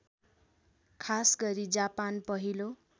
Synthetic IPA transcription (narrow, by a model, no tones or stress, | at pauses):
kʰasɡʌɾid͡zapanpʌɦilo